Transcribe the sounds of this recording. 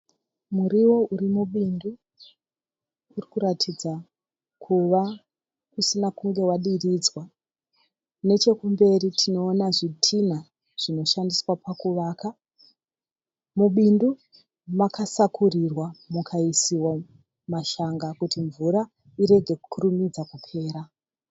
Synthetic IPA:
muɾiwo̞ʔuɾimuɓindu | rikuɾatʰid͡za | kʰuʋa | usinakuŋɡe̞waɗirid͡zwa | ne̞t͡ʃe̞kumbe̞ritʰino̞ːnaʐitʰina | ʐ̥ino̞ʃandiswapakuʋaːka | muɓindu | makasakurirwamukʰaisiwa | maʃaŋɡakutiɱvuɾa | iɾe̞ɡʱe̞ku̥kʰurumid͡zakupʰe̞ːɾa

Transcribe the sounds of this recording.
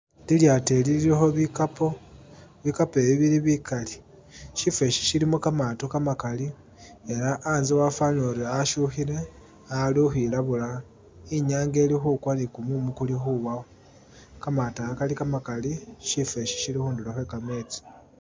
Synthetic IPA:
liljate̞lililexo̞βikapo̞βikape̞βiβiɾiβikali | ʃife̞ʃi̥ʃilimukamatokamakali | elaʔːnziwafanoɾiaʃuxiɾe̞ | aluxilaβula | iɲaːŋɡe̞ːlixukwanikumumukulixuβao | kamataakalikamakaliʃife̞ʃi̥ʃilixuːndulexwe̞kame̞t͡si̥

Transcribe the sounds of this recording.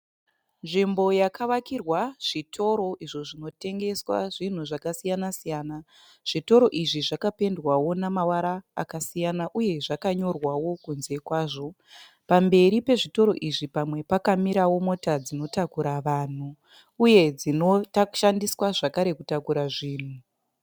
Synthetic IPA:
nʐimbo̞jakʰaʋakirwaʐ̥itʰo̞ɾo̞ʔiʐo̞ʐino̞te̞ŋɡe̞swa̰ʐin̤uʐakasijanasijaːna | ʐ̥ito̞ɾo̞ʔiʐiʐakape̞ndwawo̞namawaɾa̰ːkasijanaʔuje̞ʐakaɲo̞rwawo̞kunze̞kwaːʐo̞ | pambe̞ɾipe̞ʐito̞ɾo̞̰ʔiʐipamwe̞pakamiɾawo̞mo̞tad͡zino̞takuɾaʋaːn̤uː | je̞d͡zinotaʃandiswaʐakaɾe̞kutakuɾaʐiːn̤u

